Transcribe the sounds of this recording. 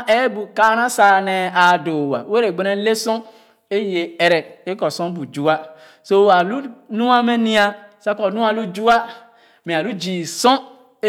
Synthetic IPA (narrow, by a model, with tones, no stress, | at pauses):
ʔe˦bu˨ka˦ɾã˦sa˨nɛ˨a˨do˨wa̰˨˦e˦ɾe˨ɡ͡be˨ɾe˦le˦sɔ̃˦ | e˦je˨e˨ɾɛ˨e˦kɔ˨sɔ̃˦bu˨d͡ʒu˦a˦ | so˦˨wa˨lu˦nũ˦a˦me˦nĩ˦a˦sa˦kɔ˨nũ˦a˨lu˦d͡ʒu˦a˦ | mẽ˨a˨lu˦d͡ʒi˨sɔ̃˦